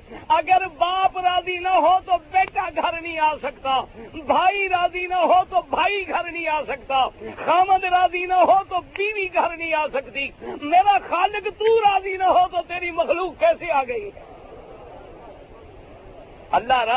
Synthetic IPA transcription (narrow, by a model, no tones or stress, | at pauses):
əɡəɾbaːpɾaːziːnaːɦoːt̪oːbeːʈaːɡʱəɾnĩːaːsəkt̪aːbʱaːiːɾaːziːnãːɦoːt̪oːbʱaːiːɡʱəɾnĩːaːsək̚t̪aːxaːmə̃nd̪ɾaːziːnaːɦoːt̪oːbiːʋiːɡʱəɾnĩːaːsəkd̪iːmeːɾaːxaːlɪkt̪uːɾaːziːnãːɦoːt̪oːt̪eːɾiːməxluːkːɛːseːaːɡəiːɦɛː | əlːaːɾa